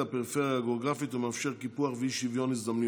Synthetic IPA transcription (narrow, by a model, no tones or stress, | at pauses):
apɛɾfɛɾaɡoɡɾafit̪ʊmafʃɛʁkipuaχviːʃivjɔnɪs̬d̪amni